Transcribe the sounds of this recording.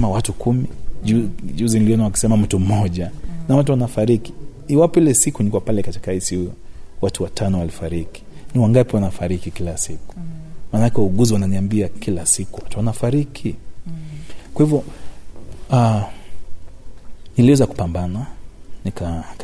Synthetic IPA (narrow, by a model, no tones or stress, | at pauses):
ɛmawatukʰumiuuziniliɔnawaki̥sɛmam̩tum̩mɔʄanawatuwanafaɾiki̥ | iwapɔilɛsikunikwapalɛkati̥kaisiwatuwatʰanɔwalifaɾiki̥niwaŋɡapiwanafaɾikikilasiku̥maːnaakɛuɡuziwananiambiakʰilasikuwatuanafaɾikʰi | kwahivjɔ | a | niliwɛzaku̥pambananika